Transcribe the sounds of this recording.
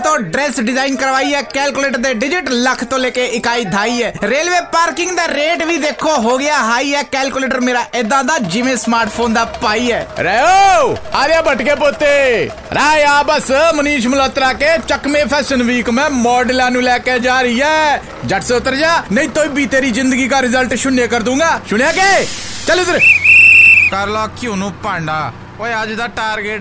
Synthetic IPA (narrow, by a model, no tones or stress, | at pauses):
t̪õːɖɾɛːsɖɪzaːinkəɾʋaːiːɛːkɛːlkuleːʈəɾd̪eːɖɪd͡ʒɪʈləkʰt̪õːleːkeːʔɪkaːiːd̪ʱaːiːɛːɾeːlʋeːpaːɾkɪŋɡd̪aːɾeːʈʋiːd̪eːkʰːoːɦoːɡɪaːɦaːiːɛːkɛːlkuːleːʈəɾmeːɾaːʔɪd̪ãːd̪aːd͡ʒɪʋẽːsmaːɾʈpʰoːnd̪aːpaːiːɛːɾɛːoːaːɾãːbəʈkeːpoːt̪eː | ɾaːeaːbəsməniːʃmʊləːt̪ɾaːkeːt͡ʃəkmẽːpʰɛːʃənʋiːkmɛ̃ːmɔːɖlãːnũːlɛːkeːd͡ʒaːɾəiːɛː | d͡ʒəʈseʊt̪ːəɾd͡ʒaːnəĩːt̪oːĩːbiːt̪eːɾiːzɪnd̪əɡiːkaːɾɪzəlʈʃʊnːeːkəɾd̪ũːŋɡaːʃʊɽ̃ãːkeːt͡ʃəleːsəɾ | kəɾlɔːkjõːnũːpãːɳɖaː | oːeəd͡ʒd̪aːʈaːɾɡeʈ